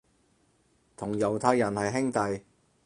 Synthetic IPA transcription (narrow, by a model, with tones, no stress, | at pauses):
t̪ʰʊ˨˩ŋjɐ˨˩wt̪ʰaː˧jːɐ˨˩nhɐ˨jɦɪ˥ŋt̪ɐ˨j